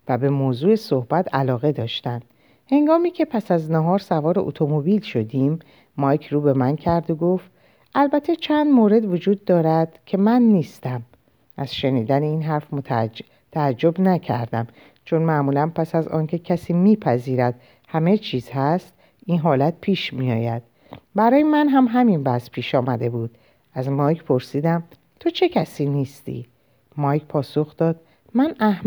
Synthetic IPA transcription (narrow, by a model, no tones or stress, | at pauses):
væbe̞moːzuːeso̞hbæt̪ʰælɒːɣe̞d̪ɒːʃt̪ænd̪̥ | he̞ŋɡɒːmiːcʰe̞pʰæsæznæɦɒːɾsævɒːɾeʔot̪ʰo̞mobilʃo̞d̪iːmː | ɒːjkʰɾuːbe̞mæncʰæɾd̪oɡo̞ft̪ | ʔælbæt̪ʰːe̞t͡ʃʰænd̪moːɾe̞d̪vod͡ʒuːd̪̚ːɒːɾæd̪̥cʲʰe̞mænːiːst̪æm | ʔæz̥ʃe̞niːd̪æneiːnɦæɾfʰ | t̪ʰææd͡ʒːo̞bnæcʰæ̰ɾd̪æm | t͡ʃʰo̞nmæmuːlænpʰæsæzɒ̰ːncʰe̞cʰæsiːmiːpʰæziːɾæd̪̥ | hæmet͡ʃʰiːz̥hæst̪ | inɦɒːlæt̪̚pʰiːʃmijɒːjæd̪̥̚ | bæɾɒːjemænɦæmɦæminbæspʰiːʃɒːmæd̪e̞buːd̪̥ | æzmɒːjkʰpʰo̞ɾsiːd̪æm | t̪ʰo̞t͡ʃʰe̞cʰæsiːniːst̪ḭː | mɒːjkʰpʰɒːsoxd̪̥ɒːd̪̥̚ | mænæh